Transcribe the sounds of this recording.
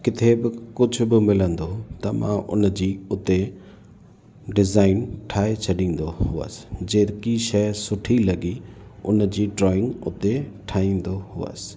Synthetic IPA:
kɪt̪ʰebɪkʊd͡ʑʱʊbɪmɪlə̃nd̪ot̪ɐmã̰ʔʊ̰nd͡ʑiːʊt̪e | ɖɪzaːɪnʈʰaːɦet͡ɕʰɐɗĩːn̆d̪oɦʊə̰sɪ̥d͡ʑeːkiʃɐjsʊʈʰilɐɡiʊnd͡ʑiːɖɾɔːɪ̃ŋɡʊ̰t̪eʈʰaːĩːn̆d̪ohʊə̰sɪ̥

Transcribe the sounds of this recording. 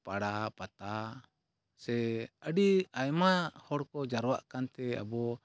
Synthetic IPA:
paɽapat̪a | sɛəɖiajmahɔɽkɔd͡ʒaɾwaʔkant̪ɛa̰bɔ

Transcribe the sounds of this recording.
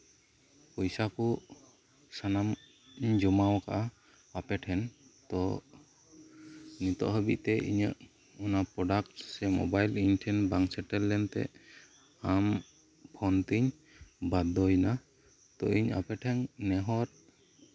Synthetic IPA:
pɔjsaku | sanam | ɲd͡ʒɔmawkaʔa | apɛʈʰɛnt̪ɔ | nit̪ɔ̰ʔɦəbḭʔt̪ɛʔḭɲə̰ʔ | unapɾɔɖakʈsɛmɔ̰bajlinʈʰɛnbaŋsɛʈɛlːɛnt̪ɛ̰ | am | pʰɔnt̪iɲ | bad̪ɔjna | t̪ɔ̰iɲa̰pɛʈʰɛŋnɛɦɔɾ

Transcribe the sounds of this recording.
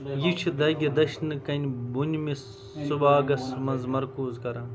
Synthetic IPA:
jit͡ʃʰid̪ɐɡʲɐd̪ɐʃnɨkɐnʲbunʲmis | subaːɡɐsmɐnzmɐɾkuːzkɐɾɐː

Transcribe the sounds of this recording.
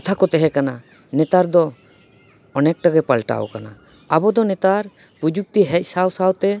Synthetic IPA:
t̪ʰakɔt̪ɛɦɛkana | nɛt̪aɾd̪ɔ | ɔnɛk̚ʈaɡɛpalʈa̰w̰kana̰ | abɔd̪ɔnɛt̪aɾ | pud͡ʒuk̚t̪iɦɛc̚ˀsawsawt̪ɛ

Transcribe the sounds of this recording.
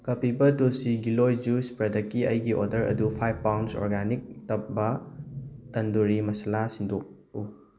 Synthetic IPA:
kɐpibɐtulsiɡilojd͡ʒuspɾɐdɐkːiɐjɡiʔodɐɾɐ̰dupʰajbpawnso̰ɾɡanik̚tɐp̚bɐ | tɐnduɾimɐsɐlasindok̚ | u

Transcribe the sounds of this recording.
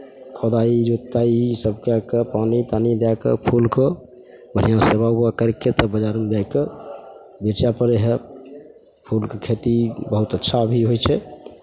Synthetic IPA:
kʰɔd̪aid͡ʒot̪ːaisəbkeakepanit̪anid̪akḛpʰulkə | bən̤ijãsebauakəɾkːet̪əbəd͡ʒaɾmd͡ʒajke | bet͡ʃjapəɾeɦe | pʰulkekʰet̪ibəɦut̪ətːʃʰabʱiɦojt͡ʃʰɛ

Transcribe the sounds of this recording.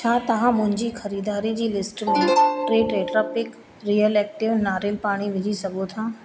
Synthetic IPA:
t͡ɕʰaːt̪ɐʋ̤ãmʊ̃ɦɪ̃ɲd͡ʑiːxɐɾiːd̪aːɾid͡ʑiːlɪsʈmẽʈɾeːʈɾeːʈɾaːpɪk | ɾiːəlɛːk̚ʈɪʋnaːɾɪlpaːɽ̃iʋɪd͡ʑʱisɐɡʱot̪ʰaː

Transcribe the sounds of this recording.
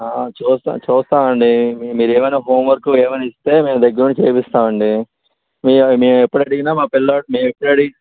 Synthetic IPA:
aːt͡ʃuːst̪a̰t͡ʃuːst̪aːɐɳɖimiːɾueːmɐjnaːɦoːmʋɐɾkueːmɐjnaist̪e̞ːme̞ːmd̪ɐɡːɐɾuɳit͡ʃeːpist̪aːmɐɳɖi | miːmeːɛpːuɽɐɽiɡinaːmaːpilːameːmepːɐɽɐɽiɡ

